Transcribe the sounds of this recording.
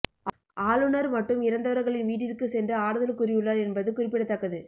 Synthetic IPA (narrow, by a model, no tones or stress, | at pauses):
ʔaːlɯnɐɾmɐʈːɯmɪɾɐnd̪ɐʋɐɾɣɐɭɪnʋiːʈɪrkɯsɛndrɐaːɾɯðɐlkʊrɪjɯɭːɐɾɛnbɐðɯkʊrɪpːɪɽɐt̪ːɐkːɐðɯ